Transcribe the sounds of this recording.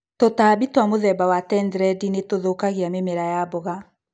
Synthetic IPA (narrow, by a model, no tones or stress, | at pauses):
totaːbitwamoðɛbawatɛndɾɛdinetoðokaɣeamemeɾajabɔɣa